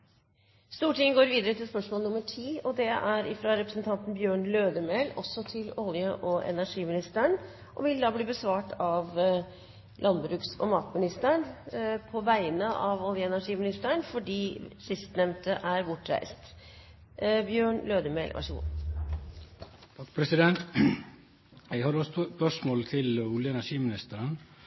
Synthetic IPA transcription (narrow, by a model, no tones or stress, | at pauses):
st̪uːʈɪŋəɡoːɾʋiːd̪əɾət̪ʰɪlspœʂmoːlənʊməʈʰiːɔd̪ɛæɾɪfɾɑɾɛpɾəsnt̪ʰɑnt̪nbjøːɳløːd̪əmeːlɔ̰sɔt̪ʰɪlɔljəʔɔʔɛ̰næʂiːmɪnɪst̪əɳ | ʔɔʋɪld̪ɑːbliːbəsʋɑːʈɑʋ | lʔɑnbɾʉːksɔ̰mɑt̪mɪnɪst̪əɳpʰɔʋæɪnəʔɑʋɔljəɛnæʂiːmɪnɪst̪əɳfɔɖiːsɪst̪nɛmt̪ʰəʔæɾbʊʈːɾæ̰ɪst̪ | bjøːɳløːd̪əmɛɪlʋʔɑ̰ʂəɡṵː | t̪ʰɑkːpʰɾɛsɪd̪ɛnt̪ | æɪhɑɾɔsspœʂmoːlt̪ʰɪlʊljəɛnæʂiːmɪnɪst̪əɾən